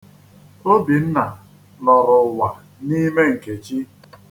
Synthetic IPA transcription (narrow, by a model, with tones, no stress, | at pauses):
o˦bi˨n̩˦na˨ | lɔ˨ɾʊ˨wa˨ | ni˦me˦ŋ̩˨ke˨t͡ʃi˦